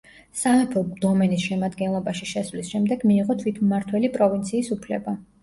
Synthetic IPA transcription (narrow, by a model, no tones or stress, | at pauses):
saɛpʰɔd̪̥ɔmɛnisʃɛmad̪ɡɛnlˠɔbaʃiʃɛsvlisʃɛmd̪ɛɡmiːʁɔt̪ʰwit̪ʰmaɾt̪ʰwɛlipʼɾɔvint̪sʰiːsupʰlɛ̰ba